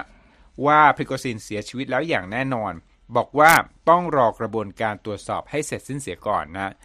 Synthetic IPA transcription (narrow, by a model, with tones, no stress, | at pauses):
waː˥˩pʰɾi˦˥kʰːoː˧siː˧nsi˨˩˦ɐt͡ɕʰiː˧wi˦t̪̚lɛː˦˥wjaː˨˩ŋnɛː˥˩nɔː˧n | bɔː˨˩k̚waː˥˩t̪ɔ˥˩ŋɾɔː˧kɾa˧bu˧ənkaː˧nt̪ɾu˨˩ət̪̚sɔ̰ː˨˩p̚ha˥˩jse˨˩t̪̚si˥˩nsi˨˩˦əkɔ̰ː˨˩nːa˦˥ʔ